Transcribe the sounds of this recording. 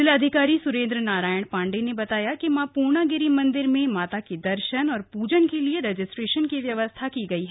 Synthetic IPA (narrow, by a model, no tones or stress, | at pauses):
dɪlɐd̪ʱɪkaːɾisʊɾẽːnd̪ɾənaːɾaːjəɽ̃pãːɳɖenebɐt̪aːjakimãpuːɾnaɡɪɾimɐ̃nd̪ɪɾmẽmaːt̪akid̪ɐɾʃənɔːɾpuːd͡ʒənkelieɾed͡ʒɪsʈɾeːʃənkiʋjɐʋəst̪ʰakiɡɐiɦɛː